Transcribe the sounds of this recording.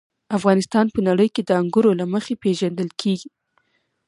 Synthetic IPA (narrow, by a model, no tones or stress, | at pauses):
afɣɑnɪst̪ɑnpənaɽəjked̪əaŋɡuɾolaməxepeʒand̪əlkʰeɡi